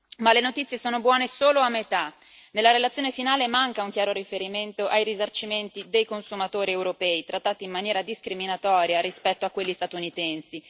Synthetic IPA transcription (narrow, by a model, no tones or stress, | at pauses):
malenot̪it̪sːjesoːnobwɔːnesoːloamːet̪a | nelːaɾelat̪sjoːnefinaːlemaŋkauŋkjaːɾoɾifeɾiment̪oʔajɾizart͡ʃiment̪id̪ejkonsumat̪oːɾiewɾopɛːit̪ɾat̪ːaːt̪iːmːanjɛːɾad̪iskɾiminat̪ɔːɾjaɾispɛt̪ːoakːwelːist̪at̪unit̪ɛnsi